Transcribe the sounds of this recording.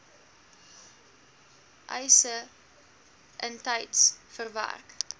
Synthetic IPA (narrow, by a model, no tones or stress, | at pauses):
ʔə̰jsə | ʔəntɐjtsfərvæ̰rk